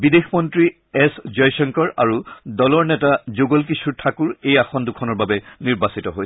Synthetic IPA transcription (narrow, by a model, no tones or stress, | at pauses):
bidexmɔntɹi | ɛszɔjsɔŋkɔɹa̰ɹudɔlɔɹnɛtazoɡɔlkisuɹtʰakuɹejaxɔndukʰɔnɔɹbabɛniɹbasitɔɦoj